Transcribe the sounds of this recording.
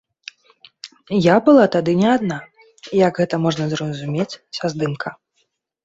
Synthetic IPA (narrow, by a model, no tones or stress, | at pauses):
jabɨlˠat̪ad̪ɨnʲɛad̪̚na | jɐɡɣɛt̪ɐmɔʐnɐzrɐzumʲet͡sʲsazd̪ɨmkʰɐ